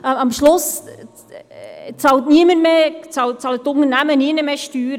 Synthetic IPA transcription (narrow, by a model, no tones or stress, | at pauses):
əɑmʃlʊs | t͡sɑltniəmənmeːt͡sɑwt͡sɑlətːʊŋəɾnæməniənəmeːʃtyːɾ